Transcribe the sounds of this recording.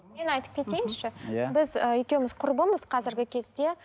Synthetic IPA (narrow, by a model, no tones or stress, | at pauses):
me̞nɑjt̪əp̚kʲʰe̞t̪e̞jɪnʃɪjbɪzəje̞kʲe̞wɪmɪzqʰʊɾbəməz̥qʰɑzɪɾɡʲɪkʲʰe̞zd̪e̞